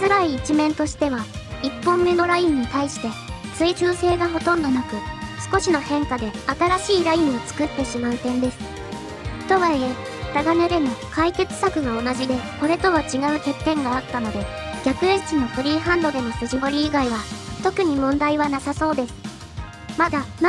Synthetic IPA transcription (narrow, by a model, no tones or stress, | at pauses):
zɨɾaiːt͡ɕimẽ̞nt̪o̞ɕi̥t̪e̞βaipːõ̞mːe̞no̞ɾajĩɲ̟ːit̪aiɕi̥t̪e̞t͡sɨit͡ɕɨːse̞ːɡaɦo̞t̪õ̞nd̪o̞nakɯ̟sɨ̥ko̞ɕino̞hẽ̞ŋkad̪e̞at̪aɾaɕiːɾajĩɰ̃o̞t͡sɨ̥kɯ̟t̪ːe̞ɕimaɯ̟t̪ẽ̞nd̪e̞sɨ̥ | t̪o̞βaie | ɾaɡaneɾemokaike̞t͡sɨ̥sakɯ̟ɡao̞naʑid̪e̞ko̞ɾe̞t̪o̞βat͡ɕiɡaɯ̟kʲe̞t̪ːẽ̞ŋɡaːt̪ːano̞d̪e̞ | ɡʲakɯ̟et͡ɕino̞ɸɯ̟ɾʲiːɦãnd̪o̞d̪e̞mo̞sɨʑibo̞ɾʲiːɡaiβat̪o̞kɯ̟ɲ̟imõ̞nd̪aiβanasaso̞ːd̪e̞sɨ̥ | mad̪an